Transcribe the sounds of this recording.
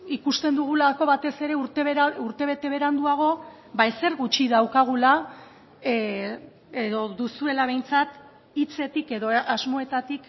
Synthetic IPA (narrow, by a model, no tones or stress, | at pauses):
ikust̪e̞nd̪uɣ̞ulako̞βat̪e̞se̞ɾe̞uɾt̪eβɾuɾt̪e̞β̞e̞t̪e̞β̞e̞ɾand̪uaɣ̞o̞ | bajse̞ɾɣut͡ʃiðawkaɣ̞ula | eðo̞ðusue̞laβ̞e̞jnt͡sat̪ | it͡se̞t̪ike̞ðo̞ʔazmo̞e̞t̪at̪ik